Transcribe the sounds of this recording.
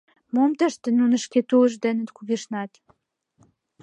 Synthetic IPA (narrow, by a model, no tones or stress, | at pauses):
momt̪əʃt̪ĕnunəʃket̪uəʒd̪enə̆t̪kuɣiʃnɑt̪